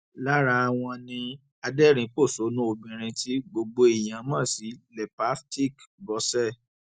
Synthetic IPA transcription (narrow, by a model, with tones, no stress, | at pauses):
la˦ɾa˧a˧w̃ɔ̃˧nĩ˧ | a˧dɛ˦ɾ̃ĩ˨˧k͡po˦˨so˨˦nũ˦o˧bĩ˨ɾ̃ĩ˧ti˦ɡ͡bo˧ɡ͡bo˧e˨j̃ã˨mãː˦˨si˨˦lɛ˨pa˨˦sti˦˨kbɔ˨˦sɛ˦˨